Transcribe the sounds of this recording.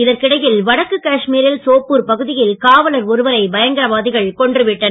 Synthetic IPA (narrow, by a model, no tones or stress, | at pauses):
ɪðɐɾkɪɽɐjɪlʋɐɽɐkːɯkːaːʂmiːɾɪlsoːpːɯɾpɐɣɯðɪjɪlkaːʋɐlɐɾɔɾɯʋɐɾɐɪbɐjɐŋɡɐɾɐʋaːðɪɣɐɭkɔɳɖrɯʋɪʈːɐnɐ